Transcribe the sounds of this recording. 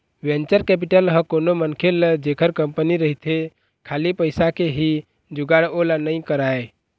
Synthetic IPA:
went͡ʃəɾkɛp̬iʈəlɦə̃konomənkʰeləd͡ʒekʰəɾkəmpəniɾəɦit̪ʰe | kʰalipəjsakeɦi | d͡ʒuɡaɽolanəj̃kəɾae

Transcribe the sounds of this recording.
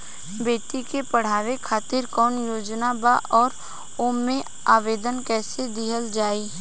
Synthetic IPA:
beːʈikepəɽ̤aːʋekʰaːt̪ɪɾkɔːnjoːd͡ʒnabaʔɔːɾ | oːmːẽ | aːʋeːd̪ənkɛːsed̪ɪɦəld͡ʒaːiː

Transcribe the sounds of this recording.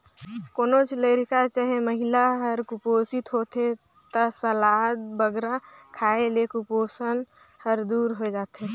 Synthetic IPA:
koːnot͡ʃləɾkat͡ʃəɦeməɦɪlaɦəɾkʊpoːsɪt̪ɦot̪e | t̪əsəlaːd̪bəɡɾakʰaːelekʊpoːsən | həɾd̪uːɾɦod͡ʒaːt̪ɦe

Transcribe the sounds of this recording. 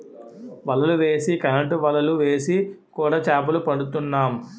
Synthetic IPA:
ʋɐlːɐluʋe̞ːsikɐnɐɳʈʋɐlːɐluʋe̞ːsikuːɽaːt͡ʃaːp̬ɐlupɐɽut̪unːaːm

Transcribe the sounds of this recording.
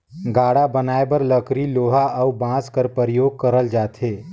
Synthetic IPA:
ɡaːɽabənaːebəɾləkɾiloːɦaəubãːskəɾpəɾjoːɡ̚kəɾəld͡ʒaːt̪ʰeː

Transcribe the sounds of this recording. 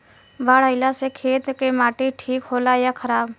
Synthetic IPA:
baːɽ̤əɪlasekʰeːt̪kemaːʈiʈʰiːkɦoːlajakʰəɾaːb

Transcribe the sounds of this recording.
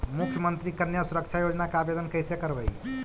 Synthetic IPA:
mukʰjəmənt̪ɾikənjasuɾəkt͡ʃʰajod͡ʒnakeabed̪ənkəjsekəɾbəj

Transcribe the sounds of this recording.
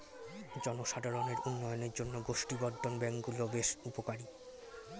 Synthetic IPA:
d͡ʑɔnoʃad̪ʱaɾoneɾʔunːɔjoneɾd͡ʑonːoɡoʃʈibɔd̪ʱːonbɛŋkɡulobeʃupokaɾi

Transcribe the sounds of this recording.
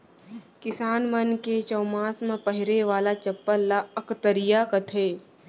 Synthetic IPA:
kɪsaːnmɐnket͡ʃɐːmaːsmẽpəɦɪɾeʋaːlat͡ʃɐpːəɾlːaɐkt̪əɾɪjakɐt̪ʰeː

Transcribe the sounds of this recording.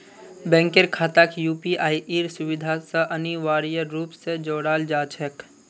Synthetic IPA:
bɛ̃ːŋkeɾkʰaːt̪akjuːpiaːiʔeːɾsʊʋɪd̪ʱasəʔɐniʋaːɾijəɾuːpsed͡ʒoːɽaːld͡ʒaːt͡ʃʰək

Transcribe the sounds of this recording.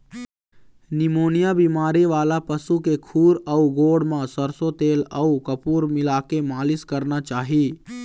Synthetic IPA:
nɪmoːnijabimaːɾeʋaːlapəsukekʰuːɾəuɡoːɽmãsəɾsot̪eːləukəpuɾmɪlakemaːlɪskəɾnat͡ʃaːɦi

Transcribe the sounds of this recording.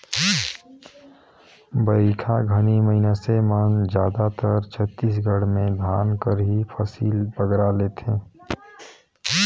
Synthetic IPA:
bəɪkʰaɡʱəniməɦinasemənd͡ʒjaːd̪at̪əɾt͡ʃʰət̪ːiːs̬ɡʱəɽmẽd̪ʱaːnkəɾɦipʰəsiːlpəɡɾaleːt̪ẽː

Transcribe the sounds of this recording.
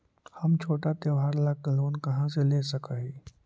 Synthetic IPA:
hɐmt͡ʃʰoːʈat̪eʋaːɾlakloːnkɐɦãseleːsɐkaːɦiː

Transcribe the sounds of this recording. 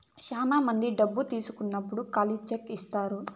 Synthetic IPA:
t͡ʃaːnaːmɐnd̪iɖɐbːut̪iːsukunːɐpːuɽukɐlit͡ʃekːist̪aːɾu

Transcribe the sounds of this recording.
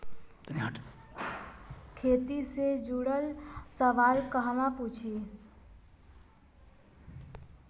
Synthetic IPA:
t̪nɦaʈ | kʰet̪ised͡ʒuɽəlsəʋalkəɦmaput͡ʃʰi

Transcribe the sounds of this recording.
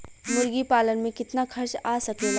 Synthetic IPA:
mʊɾɡipaːlənmẽkɪt̪nakʰɐɾʃaːsɐkel

